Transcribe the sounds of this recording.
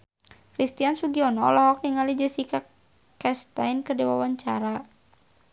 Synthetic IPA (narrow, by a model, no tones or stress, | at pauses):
kɾist̪iansuɡiɔnɔlɔɦɔk̚niŋalid͡ʒəsika | kɛst̪ajnkərdiwawaɲt͡ʃa̰ɾa